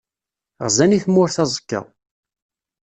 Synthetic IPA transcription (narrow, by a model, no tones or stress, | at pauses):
ʁzæniθmːʊɾθɑzˤə̥kːə̰ʁˤ